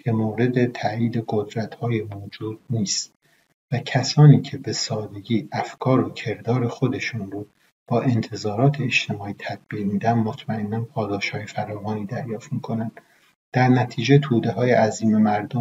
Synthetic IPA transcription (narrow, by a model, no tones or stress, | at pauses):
cʰe̞moːɾe̞d̪et̪ʰæiːd̪e̞ɡo̞d̪ɾæt̪hɒːjemoːd͡ʒuːd̪̥̚niːst̪ | væcʰæsɒːniːcʰe̞be̞sɒːd̪e̞ɡiːʔæfkʰɒːɾocʰe̞ɾd̪ɒːɾe̞xod̪e̞ʃuːnbuː | b̥ɒːʔe̞nt̪ʰe̞zɒːɾɒːt̪ʰeːʃt̪ʰe̞mɒːiːt̪ʰæd̪̥̚biːʁmiːd̪ænd̪mot̪ʰmæʔe̞nːænpʰɒːd̪ɒːʃhɒːjefæɾɒːvɒːniːd̪æɾjɒːft̪miːkʰo̞nænd̪̥ | d̪̥æɾnæt̪ʰiːd͡ʒet̪ʰuːd̪e̞ɦɒːjeʔæziːme̞mæɾd̪o